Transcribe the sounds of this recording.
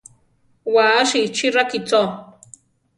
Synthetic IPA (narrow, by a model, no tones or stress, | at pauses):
waːaʃit͡ʃiɾakit͡so